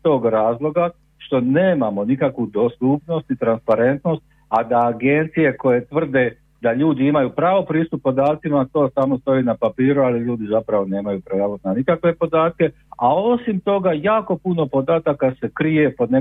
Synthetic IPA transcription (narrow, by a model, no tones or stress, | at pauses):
t̪o̞ːɡɾaːzlˠo̞ɡa | ʃt̪o̞neːmamo̞nikakʋud̪o̞st̪upno̞st̪nit̪ɾanspaɾe̞nt̪no̞st̪̚ | ad̪aːɡe̞nt̪sije̞ko̞je̞t̪ʋr̩d̪e̞ | d̪aʎuːd̪iimajuːpɾaːʋo̞pɾiːst̪upːo̞d̪aːt̪simat̪o̞ːsamo̞st̪o̞iːnapapiːɾualiʎuːd̪izapɾaʋo̞ne̞ːmajupɾejaʋonanikakʋe̞po̞d̪aːt̪̚ke̞ | ao̞simt̪o̞ɡajaːko̞puno̞po̞d̪aːt̪akase̞kɾije̞po̞d̪ne